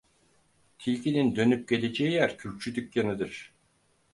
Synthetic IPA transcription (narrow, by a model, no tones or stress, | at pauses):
t̪ʰilʲcinind̪ø̞nyp̚ɟe̞lʲe̞d͡ʒejijæɾcʰyɾt͡ʃʰyd̪ycjanɯd̪ɯɾ̥